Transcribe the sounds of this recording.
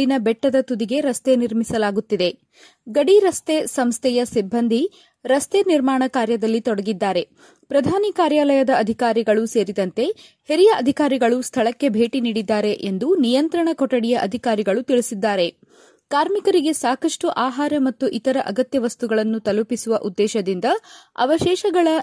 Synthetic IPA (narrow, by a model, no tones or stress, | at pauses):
inɐbɛʈːɐd̪ɐt̪ud̪iɡe̞ɾɐst̪e̞niɾmisɐlaːɡut̪ːid̪e̞ | ɡɐɽiɾɐst̪esɐmst̪ʰɛjɐsibʱːɐnd̪ʱi | ɾɐst̪eniɾmaːɳɐkaːɾjɐd̪ɐlːit̪ɔɽɐɡid̪ːaːɾe̞ | pɾɐd̪ʱaːnikaːɾjaːlɐjɐd̪ɐɐd̪ʱikaːɾiɡɐɭuse̞ːɾid̪ɐnt̪e̞ | heɾijɐʔɐd̪ʱikaːɾiɡɐɭust̪ʰɐɭɐkːe̞bʱe̞ːʈiniːɽid̪ːaːɾe̞ʔend̪unijɐnt̪ɾɐɳɐkɔʈːɐɽijɐʔɐd̪ʱikaːɾiɡɐɭut̪iɭisid̪ːaːɾe̞ | kaːɾmikɐɾiɡe̞saːkɐʂʈuʔaːɦaːɾɐmɐt̪ːuʔit̪ɐɾɐʔɐɡɐt̪jɐʋɐst̪uɡɐɭɐnːut̪ɐlupisuʋɐʔud̪ːɛːʃɐd̪ind̪ɐɐ̰ʋɐʃɛːʃɐɡɐɭɐ